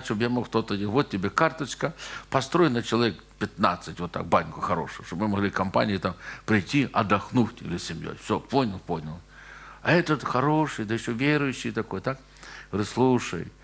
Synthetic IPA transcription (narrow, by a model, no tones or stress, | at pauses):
ʂt̪objamoxt̪ot̪əiʋot̪̚ʲtʲɪbʲekart̪ɐt͡ɕkəpɐst̪ɾojnɐt͡ɕɪlˠɐvʲek | pʲɪt̪na̰t̪sɨtʲʋot̪ːa̰k̚banʲkʊxɐɾo̰ʂʊjʊʂt̪obmɨmɐɣlʲikɐmpa̰nʲɪjɪt̪ampɾʲɪjtʲːiʔɐ̰d̪ɐxnuftʲɪ̰lʲɪsʲɪmʲjo̰jfsʲoponʲɪlˠponʲɐlˠ | ɛt̪ət̪xɐɾoʂɨjd̪əjɪɕːovʲeɾʊjʉɕːɪjt̪ɐkojt̪ak | pɾɨslˠuʂə̰j